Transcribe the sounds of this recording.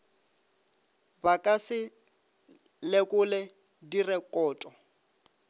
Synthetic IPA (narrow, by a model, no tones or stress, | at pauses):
bakʼasɪ | lekʼʊlɛ | dirɛkʼɔːtʼɔ